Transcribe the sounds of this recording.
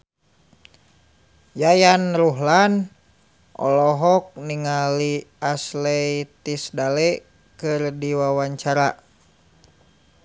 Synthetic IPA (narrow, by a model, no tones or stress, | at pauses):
jajanɾuɦlan | ʔɔ̰lɔɦɔk̚niŋaliaslɛjt̪isdalɛ | kɨrdiwawaɲt͡ʃaɾa